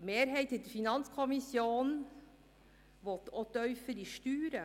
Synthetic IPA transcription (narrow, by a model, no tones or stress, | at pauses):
meːɾɦeɪt̪ət̪fɪnɑnskʰɔmɪsjuːn | ʋɔt̪ɔt̪œʏfəɾɪʂt̪yːɾə